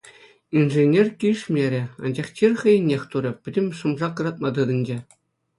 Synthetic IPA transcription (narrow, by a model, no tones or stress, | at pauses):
inʐenʲerʲkʲiʂmʲeɾʲĕɑ̰nd͡ʑɑχt͡ɕʲirʲχɤ̆jɘ̆nʲːexʲt̪uɾʲɤ̆pʲɘ̆dʲɘ̆mʲʂɤ̆mʐɑkɤ̆rɑt̪̚mɑd̪ɯd̪ɤ̆nʲd͡ʑe